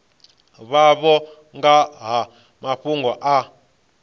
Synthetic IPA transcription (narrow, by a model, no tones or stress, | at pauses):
βaβɔ | ŋɡaɦa | maɸuŋɡɔʔa